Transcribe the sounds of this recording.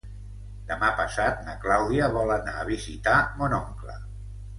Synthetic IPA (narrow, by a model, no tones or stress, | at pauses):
d̪̥əmapəsat̪̚nəklawðiəβɔlənaːβ̞izit̪amonɔŋklə̰